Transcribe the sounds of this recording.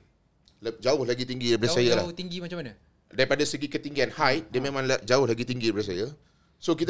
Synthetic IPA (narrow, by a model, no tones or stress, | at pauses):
ld͡ʒaʊhlaɡit̪iŋɡibaɾsajalat̪iŋɡimat͡ʃãmanə | daɾipadasəɡikət̪iŋɡianhajt̪̚dəmẽmãŋlad͡ʒaʊhlaɡit̪iŋɡibaɾas̬aja | sokit̪